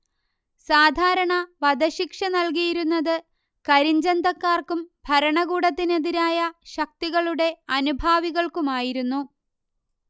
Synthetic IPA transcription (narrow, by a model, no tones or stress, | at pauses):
saːd̪ʱaːɾɐɳɐʋɐd̪ɐɕikʂɐnɐlk̬ijiɾunːɐðɨ | kɐɾiɲd͡ʑɐnd̪ɐkːaːrkumbʱɐɾɐɳɐɣuːɽɐt̪ːine̞ðiɾaːjɐɕɐk̚t̪iɣɐɭuɽe̞ɐnubʱaːʋiɣɐɭkumaːjiɾunːu